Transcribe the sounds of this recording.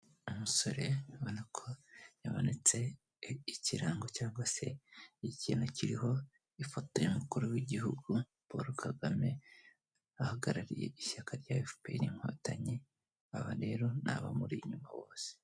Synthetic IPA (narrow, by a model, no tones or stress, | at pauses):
umuso̞ɾe̞aβonakʰojaβonet͡se̞ | iciɾaːŋɡo̞caːŋɡwase̞̰iciːnociɾiho̞ | ifotojemukuɾuwiɟihuɡu | β̥o̰ɾukaɡame̞ | ahaɡaɾaɾije̞̰ʔiçakʰaɾɟaefu̥peiniŋ̥ho̞̰ːtaɲi | aβaɾe̞ːɾo̞na̰βa̰muɾiɲumawo̞ːse̥